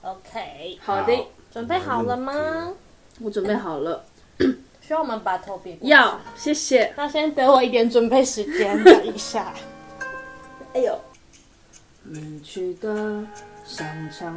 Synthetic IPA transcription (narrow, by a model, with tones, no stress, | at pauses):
o˧ʊkʰe˦˧xɑ˨ʊd̪e˥˩ʈ͡ʂwə˨˩npe˥˩ɪxɑ˨˩ʊlə˦ma˧ | wɔ˧˦ʈ͡ʂwə˨˩npe˥˩ɪxɑ˨˩ʊlə˦ | ɕy˥a˥˩wɔ˨˩mə˦npa˨˩t̪ʰə˥˧pjɛ˧ja˥˩ɕjɛ˥˩ɕjɛ˨˩na˥˧ɕjɛ˥nt̪ɤ˧˥wɔ˨˦i˥˩t̪̬jɛ˨˥nʈ͡ʂə˨˩npe˥˩ɪʂɻ̩˧˦t͡ɕjɛ˦nd̪ə˧˨i˨˩ɕja˥˩˨ | a˧jo˨˩ | ni˨˩t͡ɕʰɛ˧˥d̪ə˧ɕɑ˨˩ŋʈ͡ʂʰɑ˧˥